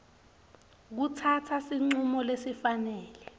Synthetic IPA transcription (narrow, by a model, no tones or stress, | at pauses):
k̬utʰatʰasiŋ͡ǀumɔlesifanɛːlɛ